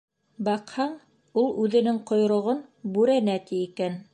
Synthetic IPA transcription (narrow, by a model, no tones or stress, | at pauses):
bɑqhɑɴ | ulˠʉðɘ̆nɘŋqŏjɾŏʁonbʉɾænæt̪iːkæn